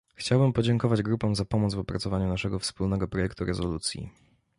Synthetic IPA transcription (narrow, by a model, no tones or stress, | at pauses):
xt͡ɕawbɘmpɔd͡ʑɛŋkɔvad͡ʑɡɾupɔ̃w̃zapɔmɔd̪zvɔpɾat̪sɔvaɲunaʂɛɡɔfspulnɛɡɔpɾɔjɛkt̪uɾɛzɔlut̪sʲjḭ